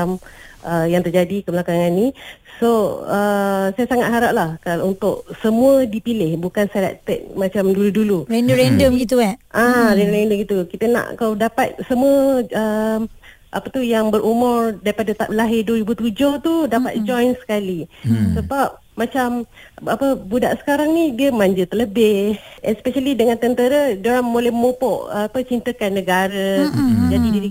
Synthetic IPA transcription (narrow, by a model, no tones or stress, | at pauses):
amʔəjaŋt̪ərd͡ʒadikəbəlakaŋanisoəsajasaŋat̪̚ɦaɾap̚lahkalunt̪ʊ̰ʔ̚səmuədipilɪhbukansala̰ʔt̪ɛ̰ʔ̚mat͡ʃamduluduluɾɛndoɾɛndəmɡit̪uɛʔãɾɛndɾɛndəmɡit̪ukit̪ənã̰ʔkawdapat̪̚səmuəə | ʔa̰pət̪ujaŋbəɾʔumʊrdaɾipadat̪alaɦɪrdwəɾibut̪ud͡ʒoht̪udapa̰t̪̚d͡ʒɔjnsə̥kalisəbap̚ | mat͡ʃamapəbuda̰ʔsə̥kaɾaŋnidiəmaɲd͡ʒət̪ələbɪhɛnspɛʃalidəŋãnt̪ənt̪əɾədoɾaŋmolɛhmopɔʔapət͡ʃint̪əkanːəɡaɾəd͡ʒadidiɾi